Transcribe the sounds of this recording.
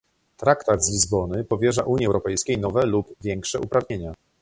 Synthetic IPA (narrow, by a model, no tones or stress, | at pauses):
t̪ɾakt̪ad̪zlʲizbɔnɘpɔvʲjɛʐaʔuɲiɛwɾɔpɛjskʲejnɔvɛlupvʲjɛŋkʂɛʔupɾavɲeɲa